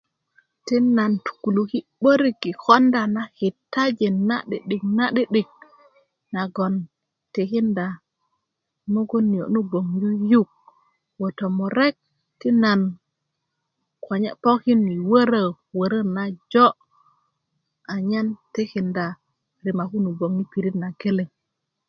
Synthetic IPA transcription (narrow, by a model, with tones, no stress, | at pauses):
ti˦na˨ntu̥˨ku˨lu˨ki˦ɓo˦ɾi˦kːi˨ko˦nda˨na˨hi˨tːa˦d͡ʒi˨na̰˦ɗḭ˨ɗi˨kna˦ɗi˦ɗi˨k̚ | na˨ɡo˨n | ti˨ki˦nda˨ | mo˦ɡo˦nːi˨jo˨nu˦bo˨ŋju˦ju˦k̚ | wo˨to˨mu˨ɾe˦k̚ | ti˦na˨n | kʰo˨ɲḛ˦po˦ki˦ni˨wə˦ɾə˦ | wə˨ɾə˦na˦d͡ʒo˦ | a˨ɲa˦nti˦ki˨nda˨ | ɾi˨ma˨ku˦nu˨bo˨ŋni˦pi˨ɾi˦tna˨ɡe˦le˨ŋ